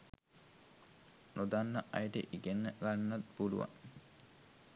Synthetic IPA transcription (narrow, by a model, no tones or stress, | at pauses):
nod̪anːɐʔɐjʈḛʔiɡenːəɡanːɐt̪buluʋɐ̰